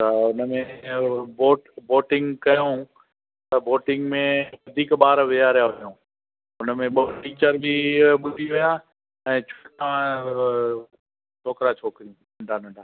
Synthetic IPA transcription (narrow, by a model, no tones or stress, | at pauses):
t̪ɐʊnəmẽboːʈboːʈɪ̃ŋɡkɐjũ | t̪ɐboːʈɪ̃ŋɡmẽʋɐd̪ʱiːkɓaːɾʋijaɾɪjajũː | ʊnəmẽɓoːʈiːt͡ɕəɾbʱiɓʊdʱiʋija | ɛ̃ːt͡ɕʰoːʈã | t͡ʃʰoːkɾat͡ʃʰoːkɾijũ | ɐ̃ɳɖʱaɗɐ̃ɳɖʱaː